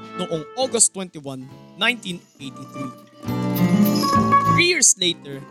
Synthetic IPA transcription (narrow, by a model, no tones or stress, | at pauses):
noʔõŋɔɡɐst̪wɛ̃nt̪iwɐ̃nːãjnt̪ĩnʔejt̪iθɹi | tɹijiɹsleɪt̪ɛɹ